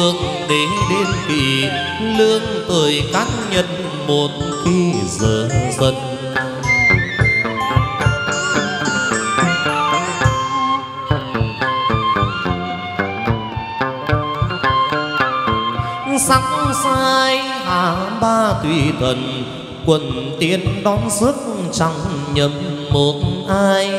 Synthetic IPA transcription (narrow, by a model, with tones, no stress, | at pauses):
ɨ˧əŋ | ɗe˨˦nɗe˧nkḭ˧˨˩ | lɨ˧əŋt̪əː˨˩jkaː˦˥t̚ɲə˧˨˩n̚ | mo˨˩t̚ki˧zəː˨˩zə˧˩n | sa˨˦k̚saː˧j | haː˨˩ɓaː˧t̪wḭ˧˩t̪ʰwə˨˩n | kwə˧˩n | t̪i˨˦ənɗɔ˨˦nzɨ˦˥k̚t͡ɕa˧˩ŋɲə˨˦mmo˨˩t̚ʔaː˧j